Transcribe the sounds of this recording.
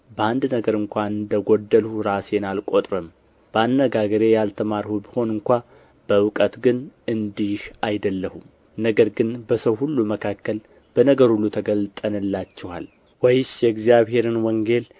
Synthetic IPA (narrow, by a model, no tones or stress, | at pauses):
bəand̪nəɡəɾɨŋkʷanɨnd̪əɡod̪ːəlhuɾasenalkʼo̞t̪ʼɾəm | b̥əanːəɡaɡəɾe̞jalt̪ʰəmaɾhubiho̞nɨŋkʷa | b̥əwɨkʼət̪ɡɨnɨnd̪ihajd̪əlːəhum | nəɡəɾɡɨnbəsəwhulːuməkʰakːəl | b̥ənəɡəɾhulːut̪ʰəɡəlt̪ʼənɨlːat͡ʃːɛwa̰l | wɔjɪsjɛɡzijaβhe̞ɾɨnwɔŋɡe̞l